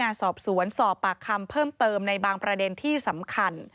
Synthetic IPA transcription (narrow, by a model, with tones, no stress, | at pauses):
aː˧nsɔː˨˩p̚su˩˦ənsɔː˨˩pːa˨˩kʰːa˧mpʰɤː˥˩mt̪ɤː˧mna˧jbaː˧ŋpɾa˧de˧nt̪ʰiː˥˩sa˩˦mkʰa˧n